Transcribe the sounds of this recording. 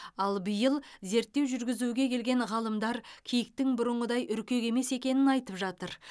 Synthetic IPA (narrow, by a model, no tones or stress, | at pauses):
ɑlˠbəjəlˠze̞ɾt̪ːe̞wʒʏɾɡʲɪzuɡʲe̞kʲʰe̞lɡʲe̞ɴʁɑlˠəmd̪ɑɾkʲʰijɪk̚t̪ɪŋbʊɾəɴʁəd̪ɑjʔʏɾkʲe̞ɡe̞me̞se̞kʲe̞nɪnɑjt̪əpʒɑt̪əɾ